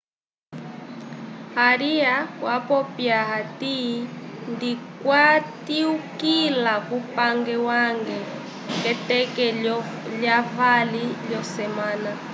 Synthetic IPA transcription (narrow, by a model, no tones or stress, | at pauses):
haɾiawapɔpjaɦati | ndikwatiukilakupaŋɡɛwaŋɡɛ | kɛtɛkɛ | ljavaliljɔsɛmaːna